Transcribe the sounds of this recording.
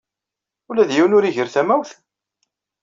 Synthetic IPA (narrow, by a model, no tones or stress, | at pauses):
ulæðjiwnʊɾiʝəɾθæmæwθ